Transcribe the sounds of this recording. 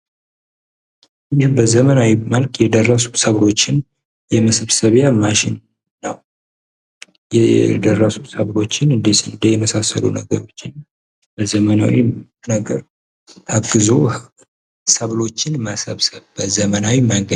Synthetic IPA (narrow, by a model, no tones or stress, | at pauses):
jɛbəzəmənawiməlkʼjɛd̪ərːəsu̥səβlo̞t͡ʃːɪn | jɛməsɨβsəβjamaʃɪnː | əw | jɛd̪ərːəsusəβlo̞t͡ʃːɪnɨnd̪end̪əjɛməsasə̰lṵnə̰ɡəɾo̞t͡ʃːɪn | bəzəməna̰wi | nəɡəɾ | habɨzo | səβlo̞t͡ʃːɪnməsəβsəβbəzəmənawimaŋɡə